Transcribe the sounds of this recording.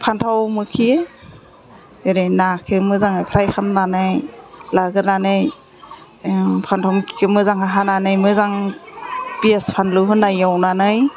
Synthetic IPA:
pʰantʰawmɯkʰi | eɾinakʰɯmɯzaŋɯjpʰɾajxʰamnanɯjlaɡɯɾnanɯj | pʰantʰawmkʰi̥kʰɯmɯzaŋhaɦananɯjmɯzaŋ | piespʰanluɦɯnːajawnanɯj

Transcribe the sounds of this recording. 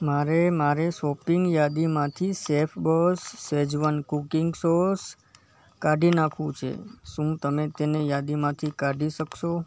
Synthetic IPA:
maɾemaɾeʃɔpɪŋɡjad̪imãt̪ʰisefʰbəsːʋed͡ʒʋənkukɪŋɡsoɾs | kaɖinakʰũt͡ʃʰḛʃũt̪əmet̪enejad̪imãt̪ʰikaɖiʃəkʃo

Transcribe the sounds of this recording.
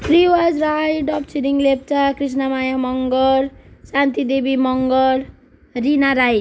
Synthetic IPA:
kriwad͡zɾajɖʌp̚t͡ʃʰiɾiŋlep̚t͡sakris̬namajamʌŋɡʌɾsant̪id̪ebimʌŋɡʌɾ | rinaɾaj

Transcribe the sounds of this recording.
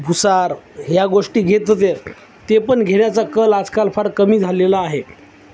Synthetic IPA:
bʱusaɾɦjaɡoʂʈiːɡʱet̪t̪eɾ | t̪epəɳɡʱeɳjat͡sakəlad͡zkalfʰaɽkəmiːd͡zʱalelaːɦe

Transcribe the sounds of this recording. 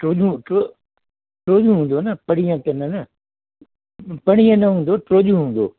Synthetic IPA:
ʈoːʄũʈo | ʈɾoːʄũɦũːnd̪oːnɐpɐɽ̃ijə̃t̪ɐnɐnɐ | pɐɽ̃ijə̃nɐɦũːn̆d̪oʈɾoːʄũɦũːn̆d̪o̰ː

